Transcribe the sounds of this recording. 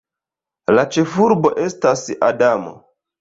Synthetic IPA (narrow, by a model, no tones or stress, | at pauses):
lat͡ʃe̞fuɾbo̞ʔe̞stasa̰damo̰